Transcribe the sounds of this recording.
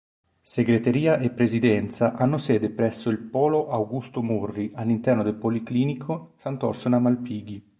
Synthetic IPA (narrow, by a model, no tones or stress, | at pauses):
seɡɾet̪eɾiːaʔepːɾezid̪ɛnt̪saʔanːosɛːd̪epɾɛsːoilpɔːloʔawɡust̪omurːiʔalːint̪ɛrnod̪elpolikliːnikʰosant̪ɔrsonamalpiːɡi